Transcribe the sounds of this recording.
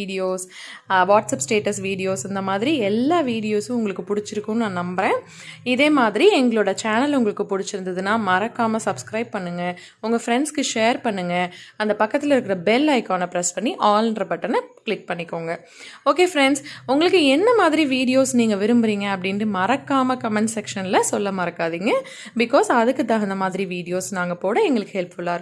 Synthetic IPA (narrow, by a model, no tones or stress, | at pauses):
iːɽɪjoːsʋaːʈsɐpsʈeːʈɐsʋiːɽɪjoːsɐnd̪ɐmaːðɪɾiɛlːaːʋiːɽɪjoːsʊ̃ʊŋɡɐɭɯkːɯpʊɽɪt͡ʃːɪɾɯkːʊ̃nãːnɐmbɐɾẽː | ɪðeːmaːðɪɾiɛŋɡɐɭoːɽɐt͡ʃaːnɐlʊŋɡɐɭɯkːɯpʊɽɪt͡ʃːɪɾɯnd̪ɐðɯnaːmɐɾɐkːaːmɐsɐbskɾɐɪb̚pɐɳːɯŋɡɐ | ʊŋɡɐfɾɛɳskɯʂeːɾpɐɳːɯŋɡɐɐnd̪ɐpɐkːɐt̪ːɪlɐɪɾɯkːɪɾɐbɛlːɐɪkaːnɐpɪɾɛspɐɳːiʔaːlnrɾɐpɐʈːɐnɐkɭɪk̚pɐɳːɪkːoːŋɡɐ | oːkeːfɾɛɳɖsʊŋɡɐɭɯkːɯɛnːɐmaːðɪɾiʋiːɽɪjoːsniːŋɡɐʋɪɾɯmbɯɾiːŋɡɐɐp̬ːɐɽɪnrɯmɐɾɐkːaːmɐkɐmɛɳʈsɛkʂɐnlɐsɔlːɐmɐːɾɐkːaːðiːŋɡɐ | bɪkoːsɐðɯkːɯt̪ːãːɪnd̪ɐmaːðɪɾiʋiːɽɪjoːsnaːŋɡɐpoːɽɐɛŋɡɐɭɯkːɯhɛlpfʊɭːaːɾɯk